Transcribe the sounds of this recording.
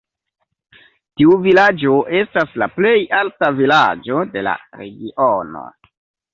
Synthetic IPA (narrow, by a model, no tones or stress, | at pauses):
tiuvilad͡ʒo̞ʔe̞staslaple̞jaltavilad͡ʒo̞de̞la̰ɾḛɡiʔono̞̰